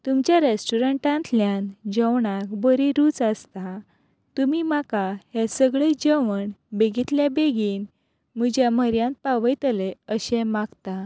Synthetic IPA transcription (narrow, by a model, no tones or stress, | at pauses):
t̪umt͡ɕjaɾesʈuɾəɳʈãnt̪ljãnd͡ʑəwɳakbəɾiɾuːt͡sast̪a | t̪umimakahesəɡɭed͡ʑəʋəɳbeɡit̪ljabeɡiːn | m̤ud͡ʑjaməɾjãnt̪̚paʋəjt̪əleəɕɛ̃maɡt̪a